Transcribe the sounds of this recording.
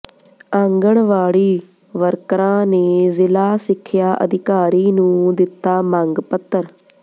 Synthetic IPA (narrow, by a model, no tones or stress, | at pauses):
ãŋɡəɳʋaːɽiː | ʋəɾkɾãːneːzɪlaːsɪkʰːjaːʔə̰d̪ɪkaːɾiːnũːd̪ɪt̪ːaːmãŋɡpət̪ːəɾ